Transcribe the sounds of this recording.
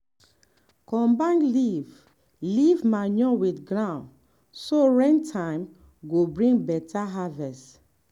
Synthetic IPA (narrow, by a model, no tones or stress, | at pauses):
kɔ̃mbãnliv | livmaɲɔ̃widɡɹãʊ̃n | soɹɛ̃ntʰãɪ̃m | ɡobɹĩŋɡbɛtʰaɦavɛst